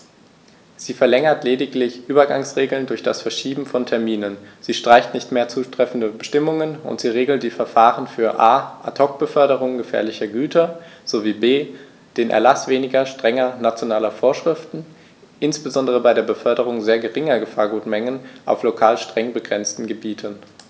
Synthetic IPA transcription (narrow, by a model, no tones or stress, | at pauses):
z̥iːfɛɐlɛŋɐtleːdɪklɪçʔyːbɐɡaŋsʁeːɡl̩ndʊɐçd̥a̰sfɛɐʃiːbm̩fɔntʰɛɐmiːnənziːʃtʁ̥aɪçtnɪçtmeːɐt͡suːtʁ̥ɛfn̩dəbəʃtɪmʊŋənʊ̰ntz̥iːʁeːɡl̩td̥iːfɛɐfaːʁənfyːɐʔaːʔatʰɔk̚b̥əfœɐɾəʁ̞ʊŋɡəfɛ̰ɐlɪçɐɡyːtʰɐz̥oviːbeː | d̥eːnʔɛ̰ɐlasv̥eːnɪɡɐʃtʁ̥ɛŋɐnat͡sjonaːlɐfoːɐʃʁ̥ɪftn̩ | ʔɪnsb̥əzɔndəʁ̞əbaɪɾeːɐbəfœɐdəʁ̞ʊŋzeːɐɡəʁɪŋɐɡəfaːɐɡuːtmɛŋənʔa̰ʊflokʰaːlʃtʁ̥ɛŋbəɡʁɛnt͡stn̩ɡəbiːtʰən